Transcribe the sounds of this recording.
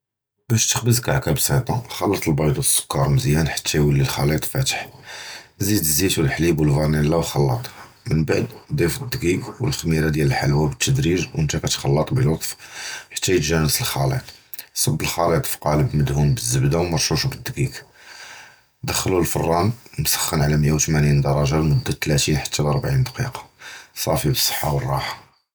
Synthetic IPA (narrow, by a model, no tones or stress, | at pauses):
bæʃt̪ə̥xbəzkaʕkæbsɑt̪ˤɑxɑlːɑt̪ˤəlbɑjd̪u̥sːʊ̥kːɑɾˤməzjænħḁt̪ʰːæjwəlːilxɑlit̪ˤfæt̪ə̥ħ | zid̪əzːit̪wəlħlibwəlvɑɾˤnilːæwxɑlːɑt̪ˤh | mənbaʕd̪d̪ˤifəd̪ːɡikwəlxmiɾad̪jæləlħalwæbət̪ʰːəd̪ɾiʒwənt̪ækæt̪xɑlːɑt̪ˤbəlɑt̪ˤfħḁt̪ːæjət̪ʒænəsəlxɑlḭt̪ˤsˤɑbːəlxɑlit̪ˤfqɑləbməd̪humbəzːəbd̪awmɑɾˤʃuʃubəd̪ːɡik | d̪əxːlulfɑ̰rˤːɑnnsə̥xːənʕalæməjːawt̪mænind̪ɑɾˤɑʒalmʊd̪ːæt̪ːlæt̪ijħḁt̪ːælɑɾˤbʕind̪ɑqḭqɑ̥sˤɑfibəsˤːə̥ħːɑwərˤːɑħɑ̥